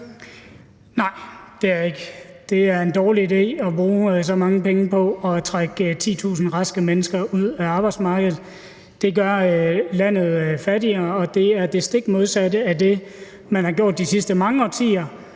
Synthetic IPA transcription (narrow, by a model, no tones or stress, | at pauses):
nɑ̈ɪ̰d̥e̝æɐe̝ɡ̥əd̥e̝æɐe̝nd̥ɒːliide̝̰ːɒ̽b̥ʁuːsɒ̽mɑ̈ŋəpʰeŋəpʰɒ̽ɒ̽t͡sʰʁaɡ̥t͡sʰḭːt͡sʰṵːsn̩ʁɑ̈sɡ̥əmenəsɡ̥ɐʔuð̰ˠæɑ̈ːb̥ɑ̈ɪd̥smɑ̈ːɡ̥əð̞̩ˠ | d̥e̝ɡɶɐlæn̰ð̞̩ˠfæd̥iɐɒ̽d̥e̝æɐd̥e̝sd̥e̝ɡ̥mo̝ð̞ˠsædəæde̝ | mænhɑ̈ɡ̥jo̝ɐ̰d̥ːisisd̥əmɑ̈ŋəɒ̽t͡sʰḭːɐ